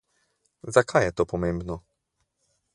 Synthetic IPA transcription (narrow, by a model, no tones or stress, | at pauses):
zakʰajɛt̪ɔpɔmɛmbnɔ